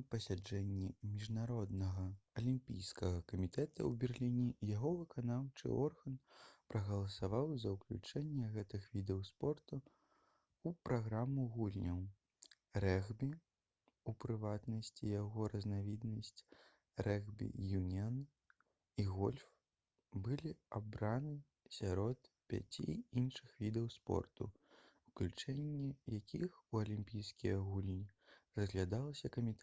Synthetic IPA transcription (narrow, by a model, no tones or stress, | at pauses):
pɐsʲad͡ʐɛnʲːimʲiʐnaɾɔd̪nɐɣɐɐlʲimpʲḭjskɐɣɐkɐmʲit̪ɛt̪ɐ̰wbʲɛrlʲinʲijaɣɔvɨkʰanawt͡ʂɨ̰ʔɔrɣɐnpɾʔɐɣɐlˠɐsavawzɐwklʲṵt͡ʂɛnʲːɛɣɛt̪ɨxvʲid̪ɛwspɔrt̪u | upɾaɣɾamuɣulʲnʲɐw | rɛɣbʲi | upɾɨvat̪nɐsʲt͡sʲijaɣɔɾɐznavʲid̪nɐsʲt͡sʲ | rɛɣbʲḭjunʲɛn | iɣɔlʲf | bɨlʲiabɾanɨ | sʲaɾɔt̪ | pʲa̰t͡sʲḭinʂɨxvʲid̪ɐwspɔ̰rt̪ṵ | wklʲut͡ʂɛnʲːɛjakʲʰixuɐlʲimʲpʲijskʲijɐɣulʲnʲirɐzɣlʲad̪alˠɐsʲɐkɐmʲit̪